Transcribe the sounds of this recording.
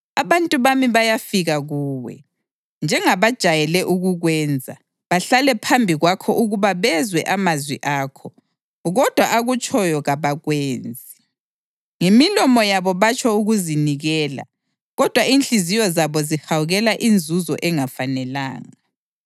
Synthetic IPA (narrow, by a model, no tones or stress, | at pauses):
aβantʼuβamiβajafiɣaɣuːwɛ̰ | nd͡ʒʱɛŋaβad̥ʒ̥ʱajɛlɛʔuɣuɣwɛːnd͡zʱa | βaɬalɛpʰambʱiɣwakʰɔʔuɣuβaβɛzwɛʔamazwiʔaːkʰɔ | ɣɔd̥ʱwaʔaɣut͡ʃʼɔjɔɣaβaɣweːnd͡zʱi | ŋemilɔmɔjaβɔβat͡ʃʰʼɔuɣuziniɣɛːla̰ | ɣɔd̥ʱwainɬʼizijɔzaβɔzihawuɣɛlaʔind͡zʱuzɔ̰ʔɛŋafanɛla̰ːŋa